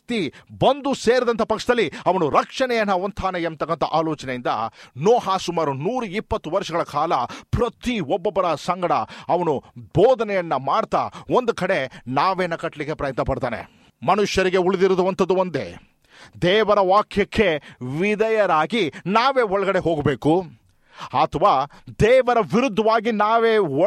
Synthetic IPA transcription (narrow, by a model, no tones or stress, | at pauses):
t̪ibɐnd̪useːɾid̪ɐnt̪ʰɐpɐkʂɐd̪ɐlːiɐʋɐnuɾɐkʂɐnɛjɐnːɐʋɐnt̪ʰaːneemt̪ːɐkːɐnt̪ʰɐʔaːloːt͡ʃɐnejind̪ɐ̰noːɦaːsumaːɾunuːɾuipːɐt̪ːuʋɐɾʂɐɡɐɭɐkaːlɐpɾɐt̪iɔbːɔbːɐɾɐsɐŋɡɐɽɐɐʋɐnubɔːd̪ɐnɛjɐnːɐmaːɽt̪a̰ond̪ukɐɽe̞naːʋeːnɐkɐʈlikːepɾɐjɐt̪nɐpɐɽt̪aːnḛ | mɐnuʃjɐɾiɡe̞uɭid̪iɾɐd̪ɐʋɐnt̪ɐd̪ːuond̪e̞̰ | d̪ɛːʋɐɾɐʋaːkʰjɐkʰːe̞ʋid̪ɐjɐɾaːɡinaːʋe̞ːɔɭɐɡɐɽe̞ɦo̞ːɡbeːku | at̪ʰɐʋaːd̪ɛːʋɐɾɐʋiɾud̪ʱːɐʋaːɡinaːʋeː